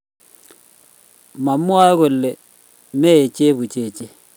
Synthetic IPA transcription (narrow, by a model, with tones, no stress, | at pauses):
ma˨mːwa˦ɣo˨lːe˨ | me˦˨t͡ʃe˦βu˨t͡ʃe˦˨t͡ʃe˦